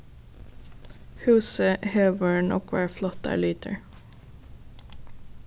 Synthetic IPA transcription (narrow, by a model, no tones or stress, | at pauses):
hʉːsəheːʋəɳʔɔ̰kʰʋæːɹflɔt̪æ̰ːɭyːt̪ʰə̰ɹ